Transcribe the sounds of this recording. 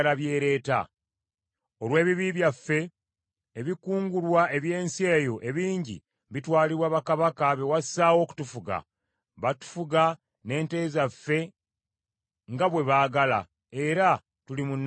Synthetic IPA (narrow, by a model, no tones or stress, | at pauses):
laβje̞ːɾe̞ːta̰ | o̞lwe̞ːβiβiβjafːe̞ː | βikuːŋɡulwaʔe̞βje̞ːnsie̞ːjo̞ʔe̞βiːɲɟḭ | βitwaːliβwaːβakaβakaβe̞wasaːwo̞ːku̥tufuɡa̰ | βatu̥fuɡa | ne̞ːnte̞ːzafːe̞ | ŋɡaβwe̞βaːɡala̰ | e̞ɾa | tulimunː